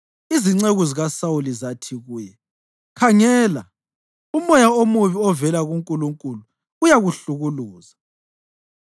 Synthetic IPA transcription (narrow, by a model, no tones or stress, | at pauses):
iziŋ͡ǀeɣuziɣasawulizatʰiɣuːjɛ | kʰaŋɛːla | umɔjaomuβiɔvɛlaɣuŋkʼuluŋkʼuluː | jaɣuɬuɣuluːza